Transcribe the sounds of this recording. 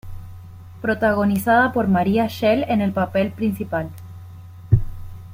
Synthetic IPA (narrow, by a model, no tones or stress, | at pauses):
pɾo̞t̪aɣo̞nisaðapo̞ɾmaɾiaʃelene̞lpape̞lpɾinsipal